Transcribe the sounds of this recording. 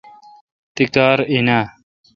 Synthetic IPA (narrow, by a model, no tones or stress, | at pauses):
t̪ikaːɾinaː